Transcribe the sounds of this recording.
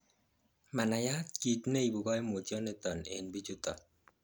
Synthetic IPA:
ma˨na˨ja˦t̪ki˨tne˦i˨bu˨ɡɔ˦e˦mo˨tjɔ˦nɛ˦t̪ɔ˨nḛ˨nbi˦t͡ʃu˦t̪ɔ̰˨

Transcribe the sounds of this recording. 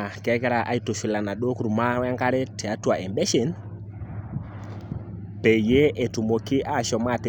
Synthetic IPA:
a˨kɛ˦kɛ˦ɾa˨ʔa˨˦i˦to˨fi˨la˨na˨ɗo˦ku˦ɾu˨ma˦wa˦ŋɡa˦ɾɛ˦tɛ˨a˦twa˨ʔɛ˨mbɛ˦ʃe˨˦n | pɛ˨je˦ʔe˨tu˨mo˨kɪ˦ʔa˦˨ʃɔ˨ma˦˨te˨

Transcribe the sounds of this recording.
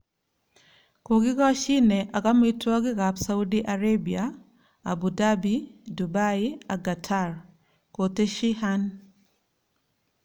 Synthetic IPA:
ko˨ɡɪ˦ɡɔ˦ʃɪ˦ne˨ʔa˨ka˦mi˦twɔ˦ɡɪ˦ɡa˨psa˦u˦di˦ʔa˨ɾe˦bia | a̰˨bu˨da˦bi˨du˨ba˦i˦a˨ɡa˨tʰa˦r | ko˨te˦ʃi˦ha˦n

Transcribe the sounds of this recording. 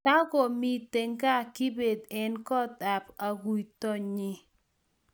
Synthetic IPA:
ta˦ɡɔ˨mi˨te˨ŋka˦kɪ˦be˨d̪ɛ˦nkɔ˦ta˨pa˨ɡu˨jt̪ɔ˦ɲɪ˦

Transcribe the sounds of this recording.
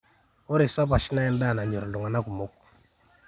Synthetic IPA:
o˦ɾi˨sa˦pa˨ʃi˦na˦ɛ˦nda˦˨na˨ɲɔ˨ɾndu˨ŋa˨na˦ku˨mo˦k̚

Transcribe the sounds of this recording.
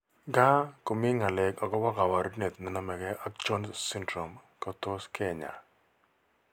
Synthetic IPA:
ɡa˦kʊ˨mi˦ŋa˨lɛ˨kɔ˨kɔ˦wa˦ka˨wa˨ɾʊ˦ne˨t̪̚nɪ˨na˦mɛ˨ɡɛ˦ʔa˦k̚t͡ʃɔ˦nsɪ˦ndɾɔ˨mkɔ˨to˦skɛ˦˨ɲa̰˨

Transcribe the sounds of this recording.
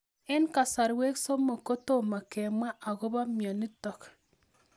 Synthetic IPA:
e˦nka˨sa˨ɾwe˦kso˦mo˨ko˦to˦˨ma˨ke˨mwa˦ʔa˨ɣo˦βa˦mja˨ni˦tɔ˨k

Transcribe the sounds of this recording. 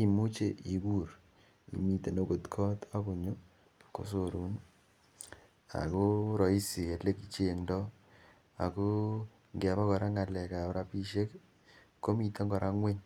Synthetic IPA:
i˨mu˦t͡ʃe˦ʔi˨ku˦ɾ | ḭ˨mi˨te˨no˨˦ko˨tkʰɔ˦ta˦ku˨ɲo˦ | ko̰˨s̬o˨ɾu˦n | a̰˨ko˦ɾɔ˨i˦si˨e˨le˦ki˨t͡ʃe˦ŋndɔ˦ | a̰˨ko˦ | ŋɡe˨βa˦kɔ˨ɾa˦ŋa˨lɛ˨ka˨pɾa˦pi˦ʃe˦k | ko˦mi˨te˦ŋɡɔ˨ɾʔa˦ŋwe˦ɲ

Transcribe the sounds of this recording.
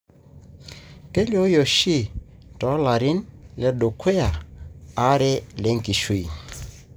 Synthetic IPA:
ke˦ljo˨˦jo˨ʃi˦˨ | tɔ˨˦la˨ɾɪ˦nlɛ˨˦ɗo˨kʰe˦a˨a˦ɾɛ˦le˨˦ŋ˦ki˨ʃwi˨

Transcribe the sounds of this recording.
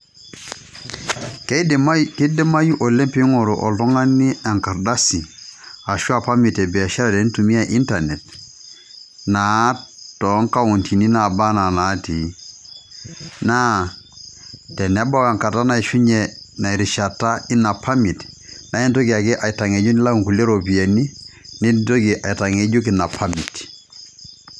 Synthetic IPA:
kmki˦de˦ma˦ju˦ʔo˨le˦mpi˦ŋo˨ɾu˨ʔo̰˨ltɔ˦ŋa˦ni˦a˨ŋka˨ɾda˦si˨a˨ʃu˦a˨pa˦mi˨te˨bi˨a˨ʃa˦ɾa˨de˨˦ntu˨mi˦a˨ʔi˦nta˨ne˨t | na˨˦tɔ˨˦ŋka˦wu˨ntʰi˨ni˦na˨ba˦na˨na˨˦ti˨ | na˦ | tɛ˨nɛ˦ba˦wa˨ŋka˨ta˦na˨i˨ʃu˦ɲɛ˨na˨i˨ɾi˨ʃa˨ta˦i˦na˨pʰa˦mi˨tna˨˦i˦nto˦ɡi˨a˨ki˦ʔa˨i˨ta˨ŋe˨d͡ʒu˦nɪ˦la˦u˦ŋku˨le˦ɾo˨pi˨a˨ni˦ni˦dto˦ɡi˨ʔa˨i˨ta˨ŋe˨d͡ʒu˦k̬i˨na˨pʰa˦mi˨t

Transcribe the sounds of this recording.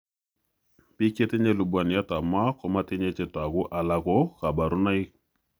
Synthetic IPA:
pi˦ke˦te˦ɲe˦lu˨bwa˨ni˨a˦ta˨ma˦kɔ˨ma˦te˦ɲe˦t͡ʃɛ˦ta˨ɣʊ˦ʔa˨la˨kɔ˦ka˨ba˨ɾʊ˦na˦i˦

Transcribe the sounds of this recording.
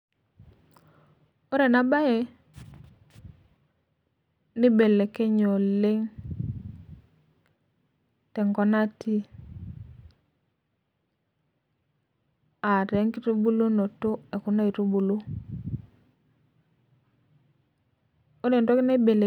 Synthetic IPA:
o˦ɾe˨na˦ba˦je˨˦ | ni˦be˨le˨ke˦ɲo˨le˦ŋ | tɛ˨ŋkɔ˦na˦ti˦ | a˨ɾɛ˨˦ŋki˦tu˦bu˦lo˦no˨to˦e˨ku˦na˦i˨tu˦bu˨lo˦ | o˦ɾe˨n˨to˦kɪ˦na˦i˦be˨le˨

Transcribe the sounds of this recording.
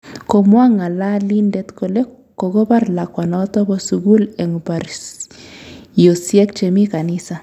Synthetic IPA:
ko˨mwa˦ŋa˨la˦li˦ndɛ˦t̪ko˨le˦ | ko˨ɡo˦pa˦ɾla˨kwa˨nɔː˨˦tɔ˦bɔ˦su˨ɡu˦lɛ˨ŋpa˨ɾ | jo˨sjɛ˦kt͡ʃe˨mi˦ka˨nɪ˦sa˨

